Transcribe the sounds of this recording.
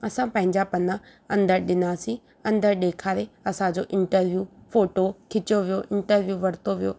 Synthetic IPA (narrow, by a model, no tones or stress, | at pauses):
ɐsãpɐ̃ɦɪ̃ɲd͡ʑapɐnã | ɐ̃nd̪əɾɗɪnaːsĩ | ɐ̃nd̪əɾɗeːkʰaːɾeɐsãd͡ʑoʔɪ̃ɳʈəɾʋjuːfoːʈokʰɪt͡ɕoʋijoʔɪ̃ɳʈəɾʋjuʋɐɾt̪oʋijoː